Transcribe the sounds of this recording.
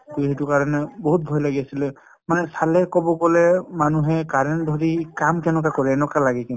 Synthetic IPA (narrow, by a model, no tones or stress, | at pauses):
ɡuɦitʊkaɹɔnɛboɦut̚bʱɔjlaɡiasilɛ | manɛsalɛkɔbɔɡɔlɛmanuɦɛkaɹɔndʱɔɹikamkɛnɔkakɔɹɛːnɔkalaɡɛkin